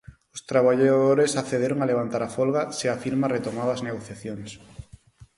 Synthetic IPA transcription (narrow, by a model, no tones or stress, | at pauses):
ʊst̪ɾaβ̞aʎaðoɾesaθeðeɾoŋaleβ̞ant̪aɾafolɣaseafiɾmaret̪omaðazneɣ̞oθjaθjoŋs